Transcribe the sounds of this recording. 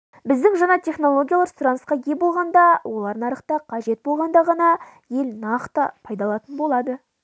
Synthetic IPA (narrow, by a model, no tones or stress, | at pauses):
bɪzd̪ɪŋʒɑɴɑt̪ʰʲe̞χno̞lˠo̞ɡʲijalˠɑɾsʊɾɑnəsqɑɡʲe̞bo̞lˠʁɑnd̪ɑwʔo̞lˠɑɾd̪ənɑɾəqt̪ɑqʰɑʒe̞t̪̚bolˠʁɑnd̪ɑʁɑnɑ | je̞lnɑqt̪əpʰɑjd̪ɑlˠɑt̪ənbo̞lˠɑd̪ə